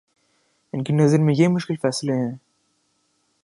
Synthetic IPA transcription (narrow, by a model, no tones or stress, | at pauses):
ɪnkinɐzɐɾmẽjemʊʃkɪlfɛːsɪleɦɛ̃ː